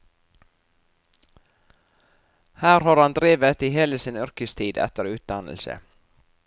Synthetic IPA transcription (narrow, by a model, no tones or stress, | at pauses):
hæːɾhɑːɾɑnd̪ɾeːʋət̪iːheːləsɪnʏɾkəst̪ʰiːd̪ɛ̰t̪əɾʉːt̪̚d̪ɑnə̰lsə̰